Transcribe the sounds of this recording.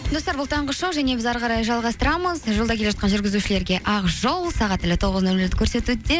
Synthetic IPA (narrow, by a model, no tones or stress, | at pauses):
d̪o̞st̪ɑɾbʊlˠt̪ʰɑɴʁəʃowʒæne̞bɪzɑɾʁɑɾɑjʒɑlˠʁɑst̪əɾɑməzʒolˠd̪ɑk̪ʲʰeʒɑt̪qɑnʒʏɾɡʲɪzuʃɪle̞ɾɡʲe̞ʔɑʁʒo̞lˠsɑʁɑt̪ɪlɪt̪ʰo̞ʁəznɵlɪd̪ɪkʲʰɵɾse̞t̪ud̪e̞